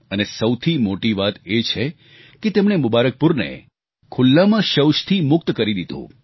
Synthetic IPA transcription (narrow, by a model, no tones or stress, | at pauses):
ənesəwt̪ʰimoʈiʋat̪et͡ʃʰe | ket̪emɳemʊbaɾək̚pʊɾnḛ | kʰʊlːamãʃəwʃt̪ʰimʊk̚t̪kəɾid̪id̪ʱṵ̃